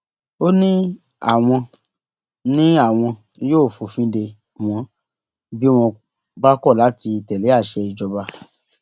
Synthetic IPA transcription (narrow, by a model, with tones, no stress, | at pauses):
o˦nĩ˦ | a̰˦˨w̃ɔ̃˧ | nĩ˦a˦˨w̃ɔ̃˧ | joː˦˨fo˨fĩ˦de˧ | w̃ɔ̃˧˦ | bi˦w̃ɔ̃˧ | ɡ͡ba˦kɔ˦˨la˨˦ti˧tɛ˨le˨˦a˦˨ʃɛ˧i˧d͡ʒɔ˧ba˧